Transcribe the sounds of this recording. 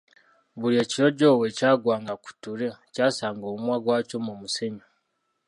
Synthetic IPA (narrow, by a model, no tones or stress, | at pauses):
βuɾie̞ːciɾo̞ɟo̞ːwe̞caːɡwaːŋɡaku̥tuɾecaːsaːŋɡoːmumwaɡwaːco̞mumuseɲa